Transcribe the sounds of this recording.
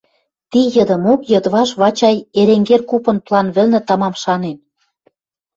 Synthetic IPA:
t̪ijɤ̆d̪ɤ̆mokjɤ̆d̪βɑʃβɑt͡ɕɑjeɾeŋɡerkupɤ̆nplɑnβɘ̆lnɘ̆t̪ɑmɑmʃɑnen

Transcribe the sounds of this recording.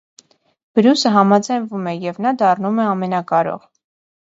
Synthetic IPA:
b̥əɾjusəɦɑmɑd͡zɑjnvumɛjɛvnɑd̪ɑrnumɛɑmɛnɑkɑɾɔ̰ʁ

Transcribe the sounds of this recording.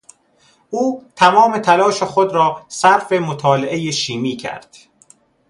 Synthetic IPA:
ʔuːt̪ʰæmɒːme̞t̪ʰælɒːʃexod̪ɾɒːsæɾfe̞mot̪ʰɒːleʔejeʃiːmiːcʰæ̰ɾd̪̥

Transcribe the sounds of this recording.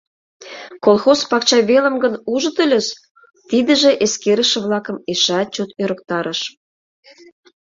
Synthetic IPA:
kolˠxospɑkt͡ɕɑβelə̆mɡənuʒə̆t̪ə̆lʲə̆ʃ | t̪id̪ə̆ʒĕʔeskeɾəʃə̆βlɑkə̆meʃɑt̪̚t͡ɕot̪øɾə̆k̚t̪ɑɾəʃ

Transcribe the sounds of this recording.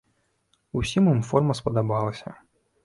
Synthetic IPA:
usʲimimfɔrmɐspɐd̪abalˠɐsʲɐ̰

